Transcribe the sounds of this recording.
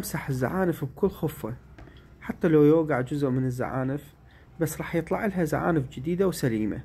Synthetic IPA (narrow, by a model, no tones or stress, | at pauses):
msaħɪzːa̰ʕaːnɪfbkʊlːxʊfːa | ħat̪ːalajoːɡaʕd͡ʒʊzʊʔmɪnɪzːa̰ʕa̰ːnɪf | basːɾˤɑːħjɨt̪ˤlɑʕɪlɦaza̰ʕa̰ːnɪfd͡ʒɪd̪iːd̪awsaliːma̰